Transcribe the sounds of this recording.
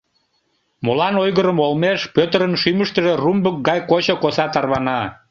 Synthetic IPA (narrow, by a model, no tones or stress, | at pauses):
molɑnojɣəɾəmolmeʃpøt̪əɾənʃyməʃt̪əʒerumbək̚ɡɑjkot͡ɕokosɑt̪ɑrβɑnɑ